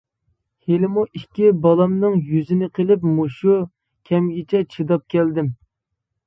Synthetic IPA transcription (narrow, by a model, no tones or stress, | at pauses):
helɪmuʔikʲːibɑlˠɑmnɨŋjyzɪnɪqʰəlɪpmuʃu | kʲʰɛmɡʲɪt͡ʃʰɛt͡ʃʰid̪ɑp̚kʲʰɛld̪ɪm